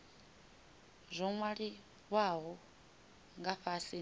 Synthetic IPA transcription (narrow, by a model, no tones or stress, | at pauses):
zʷɔŋwaɺi | βwaɦɔ | ŋɡaɸasi